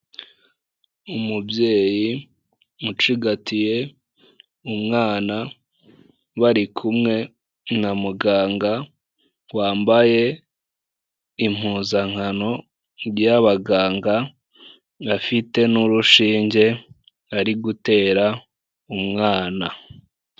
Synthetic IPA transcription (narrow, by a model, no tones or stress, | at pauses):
umubje̞ːji | mut͡ʃiɡatije̞ | umŋaːna | βaɾikʰumŋe̞ | namuɡaːŋɡa | waːmbaje̞ | im̥huːzaŋ̥hano̞ | ɾjaβaɡaːŋɡa | βafite̞nuɾuʃiːɲɟe̞ | aɾiɡute̞ːɾa | umŋaːna